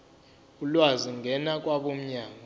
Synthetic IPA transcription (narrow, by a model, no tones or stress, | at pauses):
ulwaziŋɡʱɛnak̬ʼwaɓom̩ɲaːŋa